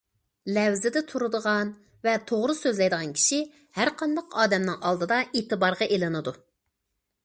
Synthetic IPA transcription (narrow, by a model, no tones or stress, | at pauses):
lɛwzɪd̪ɛt̪ʰuɾud̪əʁɑn | vɛt̪ʰoʁɾɨsøzlɛjd̪əʁɑnkʲʰi̥ʃi | hæɾqʰɑnd̪ɑqɑːd̪ɛmnɨŋʔɑlˠd̪ɨd̪ɑeːt̪ɨbɑɾʁɑʔelɨnɨd̪u